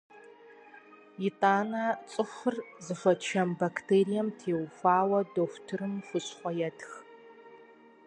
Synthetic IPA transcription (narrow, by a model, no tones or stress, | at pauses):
jɪtʼaːnɐt͡sʼɨxʷʊrzɨfʷɐt͡ʃʰɐmbakʰtʰeːɾijɐmtʰeːwfʷaːwɐdoːxʷtʰɨrɨmχʷʊɕʼχʷɔjɛtx